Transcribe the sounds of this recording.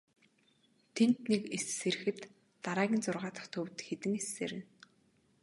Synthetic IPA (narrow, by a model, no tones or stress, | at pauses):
t̪ʰent̪nekesːeɾɘ̆xɘ̆t̪ː | aɾaːɣʲiːnt͡sʊrʁaːt̪ə̥̆χt̪ʰɵwt̪xet̪ɘ̆ŋesːeːɾɘ̆n